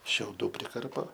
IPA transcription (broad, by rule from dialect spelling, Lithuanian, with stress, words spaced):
ʃʲɛʊˈduː pʲrʲɪˈkɐrpoː